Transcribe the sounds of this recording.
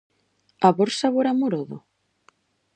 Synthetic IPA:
aβoɾsaβoɾamoɾoðʊ

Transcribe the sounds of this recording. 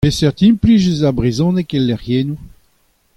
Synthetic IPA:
pesɛʁt̪ĩplizyzabʁezɔ̃ːnɛkɛlːɛʁjeːnu

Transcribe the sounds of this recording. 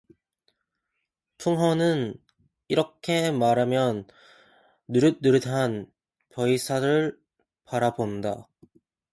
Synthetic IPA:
tʰuŋɦʌnɯn | iɾʌkʰe̞maɾɦamjʌnː | uɾɯnːɯɾɯdan | pʌisʰaɾɯɭ | paɾabonda

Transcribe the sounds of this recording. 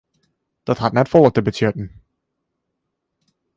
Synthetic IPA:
d̥ɔthatnɛtfɔlˠətəbəsjøtn̩

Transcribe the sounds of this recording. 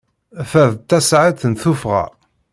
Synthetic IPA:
fæðt̪ːæsʕaθənθufʁæ̰

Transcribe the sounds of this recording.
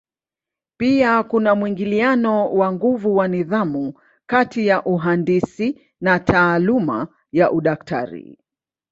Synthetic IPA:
piakunamwiŋɡilianɔwaŋɡuvuwaniðamu | katijaʔuɦandisi | natʰaːluma̰ | jaʔuɗaktʰa̰ɾḭ

